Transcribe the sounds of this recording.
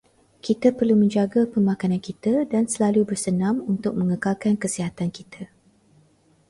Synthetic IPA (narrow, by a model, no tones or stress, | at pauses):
kit̪apərlumə̃ɲd͡ʒaɡapəmãkanãnkit̪adansəlalubərsənãmunt̪ʊk̚mə̃ŋəkalkankəsiɦat̪ankit̪ʰa